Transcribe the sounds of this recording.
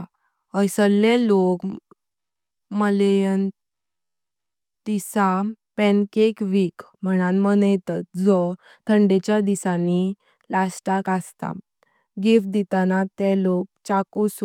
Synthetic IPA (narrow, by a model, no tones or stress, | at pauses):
əjsəllelok | məlejən | t̪isa | pɛ̃nkekʋikm̤əɽ̃anmənjt̪at̪̚d͡zɔ | t̪ʰəɳɖet͡ɕjad̪isani | lasʈakast̪a̰ | ɡifd̪it̪anat̪ɛlok̚t͡ɕakus